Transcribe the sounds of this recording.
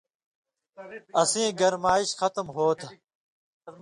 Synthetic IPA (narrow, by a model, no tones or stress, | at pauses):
ɐsĩːɡɐɾmaːiɕxɐt̪mɦoːt̪ʰ